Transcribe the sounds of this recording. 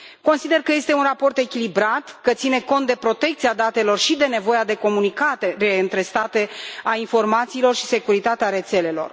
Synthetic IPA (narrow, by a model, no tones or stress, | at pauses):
ko̞nsid̪e̞rkəje̞st̪e̞unrapo̞rt̪e̞kʲilibɾat̪kət̪sine̞ko̞nt̪̚d̪e̞pɾo̞t̪e̞kt̪siad̪at̪e̞lo̞rʃid̪e̞ne̞vo̞jad̪e̞ko̞munikat̪e̞ɾe̞ɨnt̪ɾe̞st̪at̪e̞ainfo̞rmat̪siːlo̞rʃi̥se̞kuɾit̪at̪eaɾe̞t̪se̞le̞lo̞̰r